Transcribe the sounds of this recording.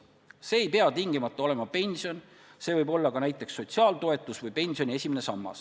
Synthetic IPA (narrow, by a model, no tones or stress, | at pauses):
se̞ːejpe̞ɑt̪iŋɡ̥imɑt̪ːˑɑo̞le̞mɑpe̞nʲsio̞n | se̞ːvɤjbo̞lːɑkɑnæjt̪ːˑe̞ksːo̞t̪siɑːlt̪o̞e̞t̪ːˑusvɯjpe̞nʲsio̞nʲie̞sʲimenesɑmːɑ̰s